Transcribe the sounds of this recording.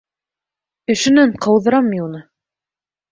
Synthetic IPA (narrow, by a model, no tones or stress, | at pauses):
ɘ̆ʃɘ̆næɴqʰɤ̆wðɤ̆ɾɑmːiunɤ